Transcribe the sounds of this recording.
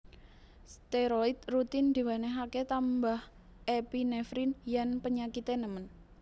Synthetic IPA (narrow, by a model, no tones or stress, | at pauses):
st̪eɾoit̪̚rut̪ɪnd̪̥e̤waneɦaket̪ambah | ʔepinefɾinjanpəɲakit̪enəmən